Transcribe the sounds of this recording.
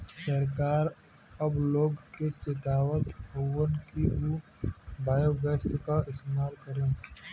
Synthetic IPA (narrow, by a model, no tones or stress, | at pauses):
səɾkaːɾ | ɐbloːɡket͡ʃet̪aːwət̪ɦowənkiu | baːjoɡəst̪kaɪst̪emaːɾkəɾẽː